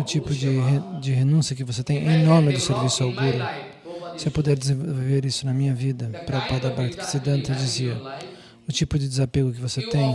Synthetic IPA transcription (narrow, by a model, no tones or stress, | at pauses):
ʊt͡ʃipʊd͡ʒɪed͡ʒɪɦenũsiɐkɪvoset̪ẽj̃ʔɛinõɾmɪd̪ʊseɾvisʊawɡuɾʊ | sɪewpod̪ɛɾd̪ɪzẽvvowveɾisʊnɐmĩɲɐvid̪ɐpɾɐpad̪ɐbaɾt̪ɪ̥kɪ̥sid̪ɐ̃nt̪ed͡ʒiziɐ | ʊt͡ʃipʊd͡ʒɪd̪ɪzapeɡʊkɪvoset̪ẽj̃